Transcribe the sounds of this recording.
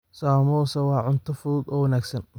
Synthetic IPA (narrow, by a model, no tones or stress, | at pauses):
saːmɔːsɐwɑːʕʊnt̪ʰɔfʊðud̪ɔːwɐnaːɡsɐn